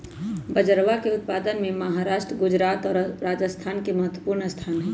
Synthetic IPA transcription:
bəd͡ʒəɾʋakeʊt̪̚pad̪ənmeməɦaɾaʃʈɾəɡʊd͡ʒɾat̪ɔːɾɾad͡ʒəst̪ʰaːnkeməɦət̪wəpuɾnəst̪ʰaːnɦɛ

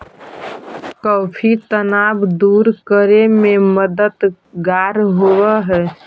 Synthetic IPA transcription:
kɔːpʰit̪ənaːbd̪uːɾkəɾemẽməd̪ət̪ | ɡaːɾɦoʋɛɦɛː

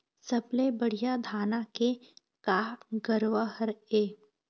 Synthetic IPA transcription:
sɐblebɐɽ̤ijad̪ʱaːnake | kaːɡəɾʋəɦəɾeː

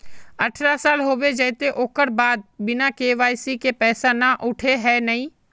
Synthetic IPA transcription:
əʈʰɾasaːlɦoːʋed͡ʒəːɪt̪eʔoːkəɾbaːd̪̚bɪnãkeːʋaːsikepɛːsanãʔʊʈʰeɦɛːnəĩː

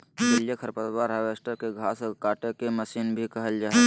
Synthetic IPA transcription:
ʋɪljəkʰəɾpət̪baɾəʋeːsʈəɾkeɡʱaːsɔkaːʈekeməsiːnbʱikɐɦəld͡ʒaːe

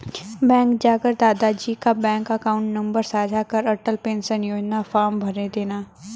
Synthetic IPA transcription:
bɛ̃ːŋkd͡ʒaːkəɾd̪aːd̪ad͡ʒiːkabɛ̃ːŋkəkaːʊ̃ɳʈnɐ̃mbəɾsaːd͡ʒʱakəɾɐʈəlpẽːnsɐ̃nɪjoːd͡ʒnafaːɾmbʱɐɾed̪eːnaː

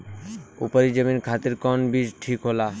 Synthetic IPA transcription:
ṵpaɾid͡ʑaminkʰat̪iɾkɔnbiʃʈʰikɦola

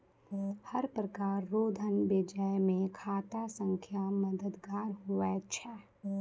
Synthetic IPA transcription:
həɾpɾəkaːɾːoːd̪ʱənbɪd͡ʒəjmẽkʰaːt̪asə̃ŋkʰjaməd̪əd̪ɡaːɾɦuɛt͡ʃʰɛː

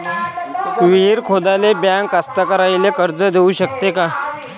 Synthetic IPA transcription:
ʋiɦiɾkʰod̪alebjaŋɡkast̪akəɾajlekəɾd͡zəd̪ʱeuɕək̚t̪eka

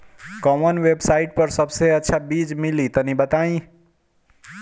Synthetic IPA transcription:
kɔmənʋebsaɪʈ̚pəɾsəbseətːʃʰabid͡ʒmilit̪ənibət̪aĩ

